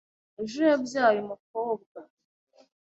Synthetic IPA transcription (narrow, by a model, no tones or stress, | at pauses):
eʒujabjaːjomuk̚oːb̚ɡa